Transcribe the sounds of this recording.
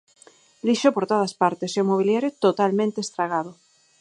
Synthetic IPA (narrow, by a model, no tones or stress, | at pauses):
liʃopoɾt̪oð̞aspaɾt̪eseomoβ̞iljaɾjot̪ot̪almẽnt̪est̪ɾaɣ̞aðo